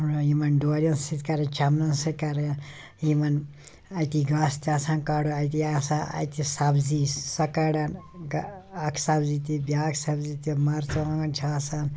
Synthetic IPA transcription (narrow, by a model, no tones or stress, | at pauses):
unoimɐnɖoɾɐnsit̪kaɾet͡ʃamnɐnsit̪kaɾe | imɐn | ajt̪iɡaːst̪aːsankaːɽoajt̪̬iasaa̰jt̪isabzisɐkaɽanɡakʰsabzit̪ibʲjaksabzit̪imaɾt͡ʃɐãɡɐnt͡ʃʰaːsaːn